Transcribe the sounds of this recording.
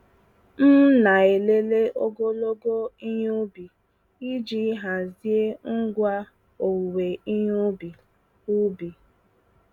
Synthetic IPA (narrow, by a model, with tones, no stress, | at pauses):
n̩˦na˨e˨le˦le˦ʔo˦ɡo˦lo˦ɡo˦i˦ɲu˦bi˨ | i˦d͡ʒi˦ɦa˨zi˦e˦ŋ̩˦ɡʷa˦ | o˨wu˨we˨i˦ɲu˦bi˨ | u˦bi˨